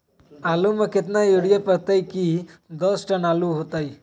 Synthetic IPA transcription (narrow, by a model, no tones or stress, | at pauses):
aluməket̪najuɽijəpəɾt̪ajkid̪ɔsʈənaluɦot̪aj